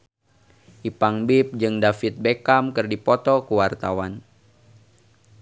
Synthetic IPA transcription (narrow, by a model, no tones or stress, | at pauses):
ʔipaŋbip̚d͡ʒɨŋdafit̪̚bekamkɨrdipɔt̪ɔkuwart̪awan